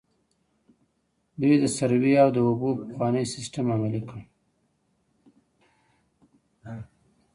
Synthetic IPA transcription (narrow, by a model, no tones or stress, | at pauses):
d̪ujd̪əsaɾweawd̪əʊbopəxwɑnəjsɪsʈamamalikɽ